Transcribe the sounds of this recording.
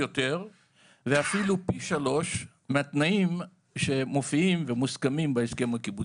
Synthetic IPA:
ot̪e̞ʁ | veafilupiʃalo̞ʃ | meat̪naim | ʃe̞mo̞fiimvemuskamimbeeske̞mhakibu

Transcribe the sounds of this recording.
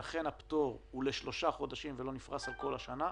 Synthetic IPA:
aχe̞napto̞ʁuleʃlo̞ʃaχo̞d̪aʃimvelo̞nifʁasalko̞laʃana

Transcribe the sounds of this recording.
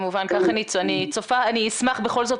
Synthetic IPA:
muvankaχanianit͡sofaaniːsmaχbeχo̞lzo̞t̪

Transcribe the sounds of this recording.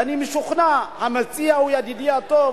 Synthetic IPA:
animiʃuχnahamat͡sʼiaujad̪id̪iat̪o

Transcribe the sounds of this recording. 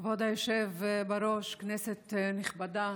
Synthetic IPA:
vod̪ajoʃevbaɾo̞ʃkneset̪niχbada

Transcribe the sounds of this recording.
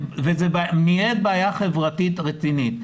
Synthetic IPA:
vezebmijed̪̚baːjaχevʁatit̪ʁet͡sinit̪

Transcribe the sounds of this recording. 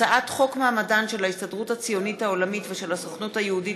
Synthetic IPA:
aʔatχo̞kmeamadanʃe̞laistadʁuthat͡sijo̞nithao̞lamitveʃe̞lasoχnuthajeudi

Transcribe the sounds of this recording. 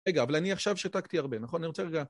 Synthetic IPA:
eɡaːvalaniaχʃavʃat̪akt̪iaʁbe̞naχo̞naniʁot͡seʁeɡa

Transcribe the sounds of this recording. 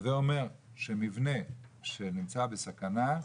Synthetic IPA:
zeo̞me̞ʁʃe̞mivne̞ʃe̞nimt͡sabesakana

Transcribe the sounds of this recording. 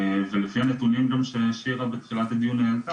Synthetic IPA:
velefianet̪unimɡamʃeʃiʁabet̪χilat̪ad̪ijunealt̪a

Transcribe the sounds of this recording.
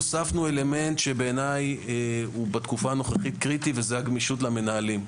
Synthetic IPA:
osafnue̞le̞me̞ntʃe̞beːnaj | ubat̪kufaːno̞χeχit̪kʁit̪ivezeaɡmiʃutlame̞naːlim

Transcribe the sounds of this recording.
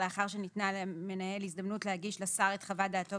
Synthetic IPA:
eaχaʁʃenitnalme̞nae̞lisdɐmnutlehaɡiʃlasaʁet̪χavadaːto

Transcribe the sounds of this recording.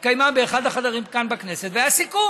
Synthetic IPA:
kajmabe̞ːχad̪haχadaʁimkanbakne̞set̪veasiku

